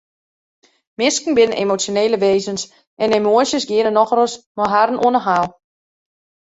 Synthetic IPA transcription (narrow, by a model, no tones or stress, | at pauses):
mɪskn̩bɪnənʔḛmot͡sjoneːləʋeːzəns | ʔɛnemoəsjəsɡɪənənɔxrəsmɔɦarən̩ʔuənəɦaːlˠ